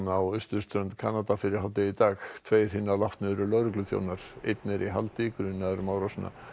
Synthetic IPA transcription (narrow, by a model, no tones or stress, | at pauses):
nawʏst̪ʏ̥st̪ɾœʏnt̪kʰaːnat̪afɪɾɪɾ̥ɦawt̪ɪit̪aːxt̪ʰveːjɾ̥hɪnːalaft̪nɪðɾʏlœɣɾʏklʏθjo̰ːwnaɾ̥ḛjt̪nɪɾʔiɦalt̪ɪkʏɾɪnːaɛɾmaːwɾasna̰